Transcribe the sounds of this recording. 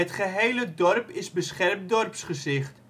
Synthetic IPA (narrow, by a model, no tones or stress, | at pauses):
ətχəɦejlədɔrpɪsbəsχɛrmdɔrpsχəzɪχt